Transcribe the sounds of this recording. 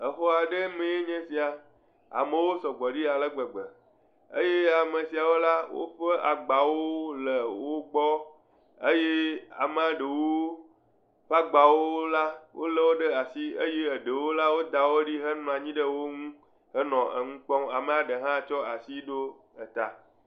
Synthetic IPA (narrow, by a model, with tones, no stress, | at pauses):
ə˨ɸɔ˦a˨ɖe˦mẽ˨je˦ɲẽ˦si˨a˨ | a̰˨mẽ˨wo˦sɔ˨ɡ͡bɔ˨ɖi˦a˨lə˦ɡ͡bə˨ɡ͡bə˨ | ə̰˦je˦a˨me˨si˨a˨wo˦la˦wo̰˦ɸə˦ʔa˨ɡ͡ba˨wo˦lə˨wo˦ɡ͡bɔ˦ | ə˦je˦a̰˨me˦a˨ɖe˨wo˦ | ɸa˦ɡ͡ba˨wo˦la˦wo˦lə˦wo˦ɖə˦a˨si˦ə˦je˦ə˨ɖə˨wo˦la˦wo˦d̪a˨wo˦ɖi˦ɦə˦ñ˨a˨ɲĩ˦ɖə˦wo˦ŋũ˦ | hə˦nɔ̃˨ə̰˨ŋũ˦k͡pɔ̃˦ma˨mẽ˦a˨ɖə˨ɦã˦˨t͡ʃɔ˦a˨si˦ɖo˦ | ə˨t̪a̰˨